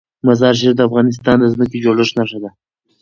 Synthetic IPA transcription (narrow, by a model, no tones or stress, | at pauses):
mazɑɾʃ̬eɾd̪əafɣɑnɪs̬t̪ɑnd̪əzməked͡ʒoləʃnaʂad̪a